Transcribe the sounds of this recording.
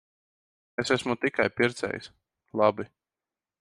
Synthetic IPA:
esæsmut̪ikajpiɾt̪sɛ̰j̰s | lˠabi

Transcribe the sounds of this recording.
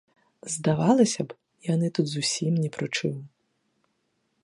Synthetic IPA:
zd̪ɐʋɑlˠɪsʲɐb | iɔnɪt̪ut̪zʊsʲimnʲipɾɔt͡ʃuw

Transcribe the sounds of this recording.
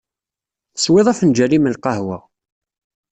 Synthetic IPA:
θswɪðˤæfnd͡ʒæɾiməlqɑɦwæ

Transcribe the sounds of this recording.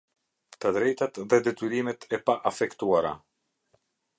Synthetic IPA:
t̪əd̪ɾɛjt̪at̪ðɛd̪ɛt̪yɾimɛt̪ʰɛpaʔafɛkt̪uaɾa̰

